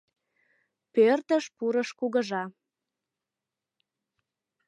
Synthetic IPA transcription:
pørt̪əʃpuɾəʃkuɣəʒɑ

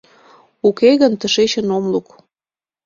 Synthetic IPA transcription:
ukeɣənt̪əʃet͡ɕə̆nomluk

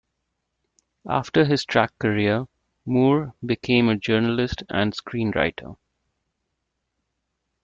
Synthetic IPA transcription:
a̰ːfʈəɦɪz̥ʈʰɹækːəɹiə | muːɹbɪkʰẽːməd͡ʒəːnəlɪsʈæ̰̃nɖskɾĩːnɹa̰ɪʈʰə̰

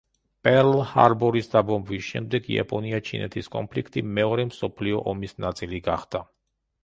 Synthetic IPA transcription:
pʼɛɾlha̰ɾbɔɾisd̪abɔmbvisʃɛ̰md̪ɛɡḭa̰pʼɔniat͡ʃʰinɛ̰t̪ʰiskʼɔ̰mpʰlikʰt̪ʼimɛɔɾɛmsɔpʰliɔʔɔmisnat̪sʼiliɡaχd̪a

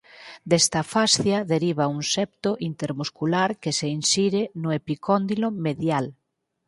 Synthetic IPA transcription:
d̪ɛst̪ɐfasθjɐðeɾiβɐuŋsɛp̚t̪ʊʔint̪eɾmuskulaɾkeseinsiɾɪnʊepikɔnd̪ilomeðjal

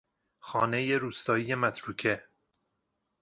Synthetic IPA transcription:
xɒːne̞je̞ɾuːst̪ɒːije̞mæt̪ʰɾuːcʰe

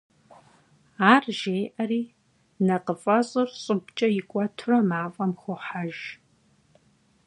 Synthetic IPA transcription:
aːrʒeːʔɐriː | nɐqəfʼɐɕʼɨrɕʼɨbt͡ʃʼɐjɪkʷʼɔtʰrɐmaːfʼɐmxʷʊħaʒ

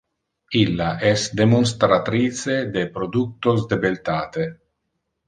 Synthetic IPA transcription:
ilːaʔɛsd̪emons̬t̪ɾat̪ɾiːt͡sed̪epɾod̪uk̚t̪osd̪ebelt̪aːt̪e

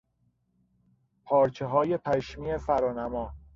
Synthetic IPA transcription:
pʰɒːɾt͡ʃʰeɦɒːje̞pʰæʃmiːefæɾɒːnæmɒː

